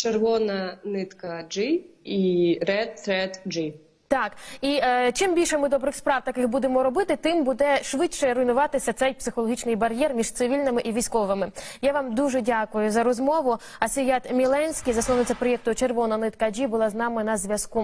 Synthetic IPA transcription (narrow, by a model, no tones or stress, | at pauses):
t͡ʃerʋɔnɐnɪt̪kɐd͡ʒɪiɾɛt̪ɾɛt̪d͡ʒi | t̪ɑkit͡ʃɪmbʲilʲʃɛmɪd̪ɔbɾɪxspɾɑwt̪ɐkɪxbud̪emɔɾɔbɪt̪ɪt̪ɪmbud̪ɛʃʋɪʃɛɾʊjnʊʋɑt̪ɪsʲɐt̪sɛjpsɪxɔlˠɔɦit͡ʃnɪjbɐɾʲjɛrmʲiʒt̪sɪʋʲilʲnɪmɪʔiʋʲisʲkɔʋɪmɪjaʋɑmd̪uʒɛdʲakʊjʊzɐɾɔzmɔʋʊɐsʲɪjɑt̪mʲilˠɛnʲsʲkʲijzɐsɔʋnɪt͡sʲɐpɾɔjɛk̚t̪ʊt͡ʃerʋɔnɐnɪt̪kɐd͡ʒibʊlˠɑznɑmɪnɐzʲʋʲjɐsku